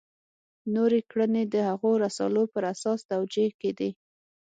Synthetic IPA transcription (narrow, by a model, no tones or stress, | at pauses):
noɾekɽəned̪əhaɣoɾasɑ̰lopəɾasɑsd̪awd͡ʒeked̪i